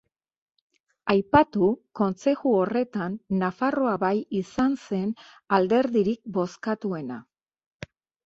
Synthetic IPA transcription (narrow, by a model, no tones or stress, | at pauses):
ajpat̪uko̞nse̞ɣuo̞re̞t̪anːafaro̞aβajisanse̞n | ald̪e̞ɾðiɾik̚bo̞skat̪ue̞na